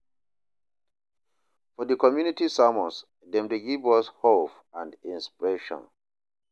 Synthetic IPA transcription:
fɔdəkʰɔmjunitisamɔ̃ns | dɛ̃mdeɡivɔshop | ãndĩnspiɹeʃɔ̰̃n

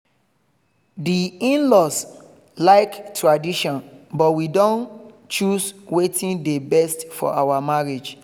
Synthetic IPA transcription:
diĩnlɔs | laɪktʰɹadiʃɔ̃nbɔtwidõn | t͡ʃuswetĩndebɛstfɔ̰ʔawamaɹed͡ʒ

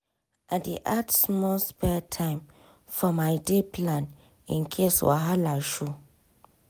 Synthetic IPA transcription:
adiʔatsmɔlspɛtʰãɪ̃m | fɔmaɪdepʰlãn | ḭ̃nkʰeswa̰ɦalaʃu

